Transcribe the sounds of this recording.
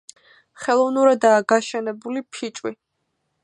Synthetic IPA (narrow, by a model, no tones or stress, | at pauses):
χɛlˠɔvnuɾad̪aːɡaʃɛnɛbulipʰit͡ʃʼwi